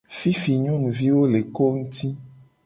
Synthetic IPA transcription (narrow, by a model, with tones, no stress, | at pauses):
fi˦fi˨ɲɔ̃˦nũ˨vi˦wo˦le˨ko˦ŋũ˦t̪i˦